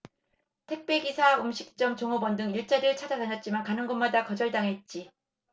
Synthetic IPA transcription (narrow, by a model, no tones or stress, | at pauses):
tʰe̞k̚p͈e̞ɡisʰaumɕʰi̥k̚t͡ɕ͈ʌmt͡ɕoŋʌbʌndɯŋiɭt͡ɕ͈aɾɯɭt͡ɕʰad͡ʑataɲʌt̚t͡ɕ͈imankanɯnɡʌnmadakʌd͡ʑʌɭdaŋɦe̞t̚t͡ɕ͈i